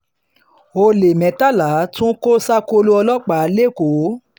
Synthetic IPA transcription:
o˧le˨mɛ̃˨ta˦˨la˨˦tũ˦ko˦sa˦ko˧lu˦ɔ˧lɔ˦k͡pa˨˦˨le˦˨ko˨˦

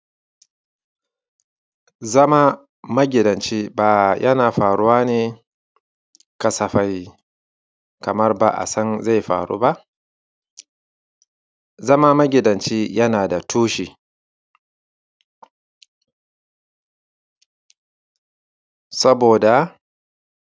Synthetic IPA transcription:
zɐ˦ma˦ | mɐ˦ɡʲɪ˨dɐ˨nt͡ʃiː˦baː˨jʔɐ̰˦naː˨ɸaː˨ɽʊ˦waː˦neː˨ | kɐ˨sɐ˨ɸa˨j | kɐ˨mɐ˦rba̰˨ʔa̰˨sɐ˦nza˦˨jɸa̰ː˨ɽṵː˦ba˦ʔ | zɐ˦ma˦mɐ˦ɡʲɪ˨dɐ˨nt͡ʃiː˦jɐ˦naː˨da˨tʰuː˦ʃiː˨ | sɐ˦boː˨da˨

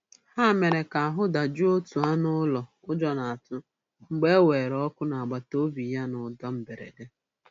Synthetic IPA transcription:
ha˦me˨ɾe˨ka˨a˨ɦʊ˦da˨d͡ʒu˦o˦tu˨a˦nʊ˦lɔ˨ | ʊ˦d͡ʒɔ˨na˨a˨tʊ˦ | ŋ͡m̩˦ɡ͡be˦we˨ɾɔ˦kʊ˦na˨a˨ɡ͡ba˨to˦bi˨ja˦nʊ˨dɔ˦m̩˨be˨ɾḛ˨de˦

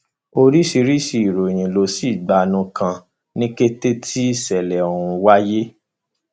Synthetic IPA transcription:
o˧ɾi˦si˧ɾi˦ʃi˧i˨ɾo˨j̃ĩ˨lo˨˧si˦˨ɡ͡ba˨nũ˧kã˧ | nĩ˦ke˦te˦tʰi˦˨sɛ˨lɛ˨o˨ɾũ˧wa˦je˦

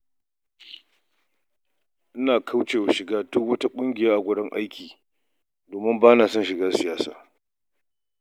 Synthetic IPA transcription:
ʔɪ˦naː˨kʰa˦wt͡ʃeː˨wa˨ʃɪ˨ɡaː˦dʊ˦kwɐ˦ta˦kʷʼʊ˦ŋɡʲɪ˨jaː˦ʔa˨ɡʷʊ˦dɐ˦ŋʔa̰˦jkʲiː˨ | doː˨mɪ˦mbaː˦naː˨sɔ˦˨nʃɪ˨ɡaː˦sɪ˨jaː˦sa̰ː˦˨

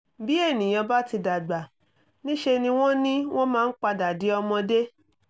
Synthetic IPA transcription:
bi˦e˦˨nĩ˨j̃ɔ̃˧ba˦ti˧da˨ɡ͡ba˨ | nĩ˦ʃe˧nĩ˧w̃ɔ̃˦nĩ˦w̃ɔ̃˦mãː˦n̩˦k͡pa˧da˨di˨˦ɔ˧mɔ̃˧de˦

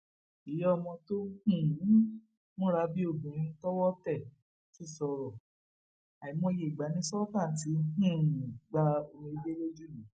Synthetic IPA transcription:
i˨jɔ˦˧mɔ̃˧to˦hĩ˦˨˦ | mõ˦ɾa˧˦bi˦o˦˨bũ˨ɾ̃ĩ˧n̩˦tɔ˦wɔ˦tɛ˦˨ | ki˦˨sɔ˧ɾɔ˨ | a˨i˨˦mɔ̃˧˦je˨ɡ͡ba˨˦nĩ˦sɔ˦tã˦˨ti˨˦hĩ˦˨ɡ͡ba˧o˧ĩ˧i˦be˦le˦d͡ʒu˦nũ˨˦

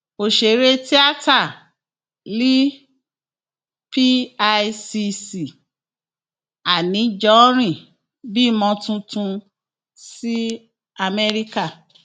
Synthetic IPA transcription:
o˨ʃe˨˦ɾe˦ti˦a˦ta˦˨ | li˦ | pi˦a˧si˧si˨ | a˨nĩ˨˦d͡ʒɔ˦ɾ̃ĩ˦˨ | bi˦˨mɔ̃˧tũ˧tũ˧ | si˦ | a˧me˦ɾi˦ka˦˨

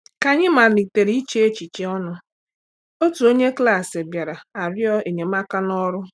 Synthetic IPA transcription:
ka˨ɲɪ˦ma˨li˨te˨ɾi˦i˦t͡ʃe˦e˦t͡ʃi˨t͡ʃe˦ɔ˦nʊ˦ | o˦tu˨o˦ɲe˦kla˦˨se˨bja˨ɾa˨a˨ɾjɔ˦e˨ɲe˨ma˦ka˦nɔ˦ɾʊ˦

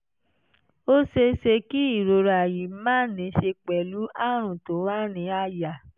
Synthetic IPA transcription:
o˦ʃe˧ʃe˧ki˦i˦˨ɾo˨ɾa˨ji˨˦mãː˦˨˦nĩ˨˦ʃe˧k͡pɛ˨lu˨˦a˦˨ɾ̃ũ˨to˨˦wa˦˨nĩ˨˦a˧˨ja˨

